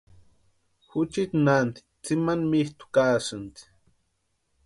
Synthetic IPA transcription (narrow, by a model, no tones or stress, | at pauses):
xʊt͡ʃit̪nant̪i̥t͡simanmiht̪u̥kaːsɨnt̪i̥